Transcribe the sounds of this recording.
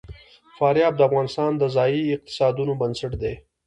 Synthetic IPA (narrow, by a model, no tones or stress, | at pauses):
fɑːɾjɑːb̚d̪əafɣɑːnɪst̪ɑːnd̪əzɑjiɪq̚t̪ɪ̥sɑːd̪unobənsɪʈd̪e